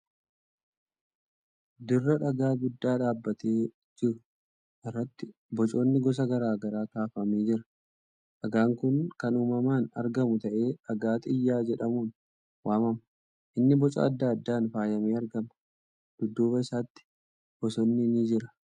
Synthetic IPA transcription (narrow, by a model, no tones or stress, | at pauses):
d̪ɪrːɐᶑɐɡaːɡʊd̪ːaːᶑaːbːɐt̪e̞ː | d͡ʒɪɾʊ | ʔɪrːɐt̪ːɪ | bɔt͡ʃʼo̞ːnːɪɡɔs̬ɐɡɐɾaːɡɐɾaːkaːfɐmeːd͡ʒɪɾɐ̥ | ʔɐɡaːŋkʊnkɐnuːmɐmaːnɐ̰ɾɡɐmʊt̪ɐʔe̞ːɐɡaːt̪ʼɪjːaːd͡ʒɛᶑɐmuːn | waːmɐmɐ | ʔɪnːɪbɔt͡ʃʼɐ̰ɐd̪ːaːɐd̪ːaːnfaːjɐmeːɐɾɡɐmɐ | d̪̥ʊd̪ːuːbɐɪsaːt̪ːɪ̥ | b̥ɔsɔnːɪniːd͡ʒɪɾɐ̥